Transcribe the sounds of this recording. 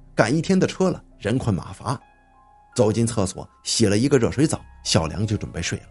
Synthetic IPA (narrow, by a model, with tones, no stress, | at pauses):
ka˨˩ni˥˩t̪ʰjɛ˥nd̪ə˨ʈ͡ʂʰɤ˥lə̰˨˩ɻə˧˥nkʰwə˧˥˩nma̰˧˥fa˧˥ | t͡so˨˩ʊt͡ɕi˥nt͡sʰɤ˥˩swɔ̰˨˩˦ɕjɛ˨˩lə˦i˧˥ɡə˧ɻɤ˥˩ʂwe˧˥ɪt͡sɑ˨˦ʊɕjɑ˨˩ʊljɑ˧˥ŋt͡ɕjʈ͡ʂwə˨˩npe˥˧ɪʂwe˥˩ɪlə˦